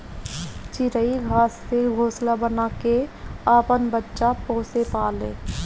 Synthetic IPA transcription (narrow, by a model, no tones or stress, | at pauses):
t͡ʃɪɾəiɡʱaːsːeɡʱoːslabənaːkeaːpənbətːʃapoːsepaːlḛː